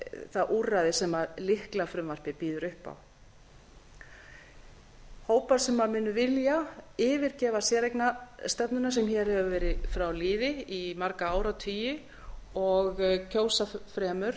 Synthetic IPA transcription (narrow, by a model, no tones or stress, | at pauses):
θaðʔuraðɪsɛmaðlɪhklafɾʏmvar̥pɪpiːðʏɾʏhpa̰w | hoːwpaɾ̥sɛmːamɪːnːʏvɪljaɪːvɪɾcɛːvasjɛːɾejknast̪ɛpnʏnas̬ɛmçɛɾ̥hɛvʏvɛːɾɪfɾawliːðɪimaɾkaaːwɾawt̪ʰiːjɪ | ɔɣcʰoːwsafɾɛːmʏɾ̥